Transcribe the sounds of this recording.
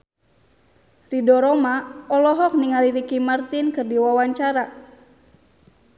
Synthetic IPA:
ridɔɾɔmaɔlɔɦɔk̚niŋaliɾikimart̪inkɨrdiwawaɲt͡ʃaɾa

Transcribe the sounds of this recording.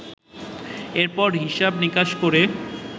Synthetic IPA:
eɾpɔɾɦiʃabnikaʃkoɾe

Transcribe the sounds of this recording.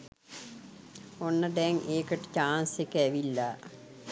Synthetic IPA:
onːəɖɛŋʔeːkəʈːə̥t͡ɕaːnsekːəæʋilːa

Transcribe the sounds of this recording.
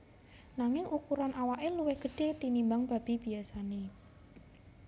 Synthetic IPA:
naŋɪŋʔukuɾanʔawaʔeluwɪhɡ̥ə̤ɖ̥e̤t̪inimbaŋb̥a̤b̥i̤b̥i̤asane

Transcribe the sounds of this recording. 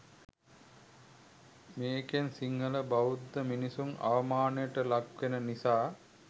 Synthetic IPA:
meːkensiŋːələbaud̪ːəminisumʔa̰ʋɐmaːnəjəʈəlaɡʋenənisaː

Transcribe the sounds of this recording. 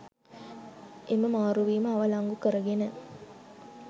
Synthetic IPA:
ʔeməmaːɾuʋiːməɐʋɐlaŋɡukəɾəɡenə

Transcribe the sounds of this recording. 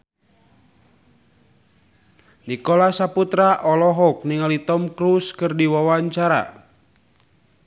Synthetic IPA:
nikɔlasaput̪ɾaʔɔlɔɦɔk̚niŋalit̪ɔmkɾuskɨrdiwawaɲt͡ʃaɾa̰

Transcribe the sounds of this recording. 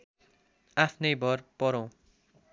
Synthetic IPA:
apʰnʌjbʱʌrpʌɾõ

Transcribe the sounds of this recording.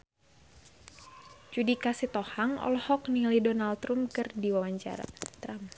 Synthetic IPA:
t͡ʃudikasit̪ɔhaŋɔ̰lhɔknilidɔnalt̪ɾumkɨrdiwawaɲt͡ʃa̰ɾa̰t̪ɾam

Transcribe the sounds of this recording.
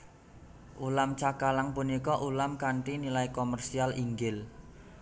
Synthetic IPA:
ʔulamt͡ʃakalaŋpunikɔʔulamkaɳʈinilaikomɛrsialiŋɡɪl

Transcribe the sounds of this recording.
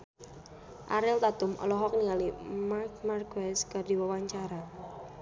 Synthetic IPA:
ʔaɾɪlt̪at̪ʊmʔɔ̰lɔɦɔk̚niŋalimark̚markwɛskadiwawaɲt͡ʃaɾa

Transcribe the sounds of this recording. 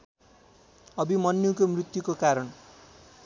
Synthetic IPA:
ʌbimʌnːukomrit̪jukokaɾʌn

